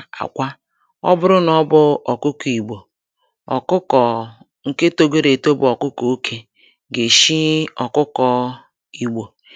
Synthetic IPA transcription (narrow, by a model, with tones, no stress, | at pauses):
a̰˨kʷa˦ | ɔ˦bʊ˦ɾʊ˦nɔ˦bʊ˦ɔ˨kʊ˦ki˨ɡ͡bo˨ | ɔ̰˨kʊ˦kɔ˨ | ŋ̩˦˨ke˦to˦ɡe˦ɾe˨to˦bʊ˨ɔ˨kʊ˦ko˨o˦kʰe˦ | ɡe˨ʃi˦ɔ˨kʊ˦kɔ˨ | i˨ɡ͡bo˨